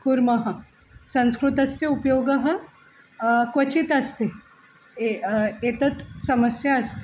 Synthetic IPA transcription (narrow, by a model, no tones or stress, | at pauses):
kuɾmɐɦɐ | sɐ̃nskɾut̪ɐsjɐupjoɡɐɦɐ | kʋɐt͡ɕit̪ɐst̪e | et̪ɐt̪sɐməsjaːst̪e